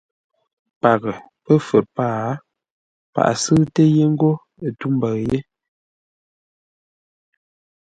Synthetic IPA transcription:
pa˨ɣə˨ | pə˦fə˨ɾpaː˦˨˦ | pa̰˨ʔsɨ˦te˦je˦ŋ̩˦ɡo˦ | ə˨tu˦m˦bə˨je˦

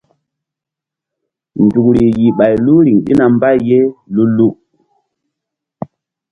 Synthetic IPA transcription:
ndu˨kɾi˨ji˨ɓa˨jlu˦ɾi˨ŋɗḭ˦na˨mba˦jːe˦lu˦lu˦

